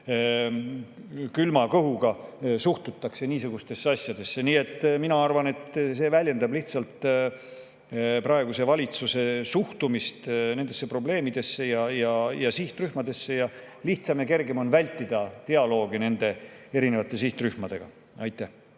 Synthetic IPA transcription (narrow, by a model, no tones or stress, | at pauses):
kylmɑkɤɦuɡ̥ɑsuht̪ut̪ːˑɑkse̞niːsuɡ̥ust̪e̞sːeɑsjɑd̪̥e̞sːe̞niːe̞t̪ːˑminɑɑrvɑne̞t̪ˑse̞ːvælʲje̞nd̪ɑbliht̪sɑlt̪ | prɑe̞ɡuse̞vɑlʲit̪suse̞suht̪umist̪ne̞nd̪̥e̞sːe̞pro̞ble̞ːmid̪̥e̞sːe̞jɑjɑjɑsiht̪ryhmɑd̪e̞sːe̞jɑ | liht̪sɑmjeke̞rɡe̞mo̞nvælʲt̪ːid̪̥ɑt̪e̞ɑlo̞ːɡ̥ine̞nd̪̥e̞e̞ɾine̞vɑt̪ːˑe̞siht̪ryhmɑd̪̥e̞ɡ̥ɑ̰ | ɑjt̪ːˑæh